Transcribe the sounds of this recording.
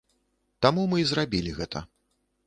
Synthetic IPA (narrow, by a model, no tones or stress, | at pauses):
t̪amumɨizrabʲilʲiɣɛt̪ʰɐ̰